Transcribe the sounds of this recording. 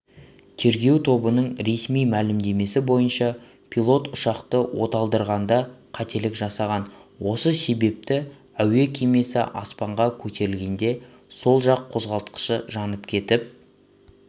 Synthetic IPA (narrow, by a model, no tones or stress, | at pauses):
t̪ʰe̞ɾɡʲe̞wt̪ʰo̞bənəɴɾe̞smijmælɪmd̪e̞me̞sɪbo̞jənʃɑ | pʰilˠo̞t̪ʊʃɑqt̪əwo̞t̪ɑlˠd̪əɾʁɑnd̪ɑqʰɑt̪e̞lɪkʒɑsɑʁɑnwo̞səse̞be̞p̚t̪ɪ | æwe̞kʲʰeme̞sɪ̰ʔɑ̰spɑɴʁɑkʲʰɵt̪e̞ɾɪlɡʲe̞nd̪e̞ | so̞lˠʒɑqʰːo̞zʁɑlˠt̪qə̥ʃəʒɑnəpkʲʰe̞t̪ɪp̚